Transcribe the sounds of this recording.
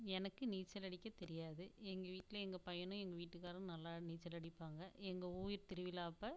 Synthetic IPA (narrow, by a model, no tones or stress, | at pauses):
ɛnɐkːɯniːt͡ʃːɐlɐɽɪkːɐt̪ɛɾɪjaːðɯɛŋɡɐʋiːʈːɪlɐɛŋɡɐpɐjɐnʊ̃ɛŋɡɐʋiːʈːɯkːaːɾɐ̃nɐlːaːniːt͡ʃːɐlɐɽɪpːaːŋɡɐɛŋɡɐuːjɪɾt̪ɪɾɯʋɪlaːɐpːɐ